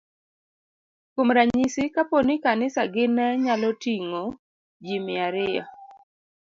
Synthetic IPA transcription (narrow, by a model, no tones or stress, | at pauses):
komɾaɲisɪkaponikanɪsaɡɪnɛɲalɔtiŋo | d͡ʒimɪaɾɪa̰